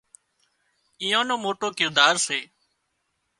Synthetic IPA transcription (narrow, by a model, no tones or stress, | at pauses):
ɪ̃ːjãːnõːmoːʈoːkɪɾd̪aːɾseː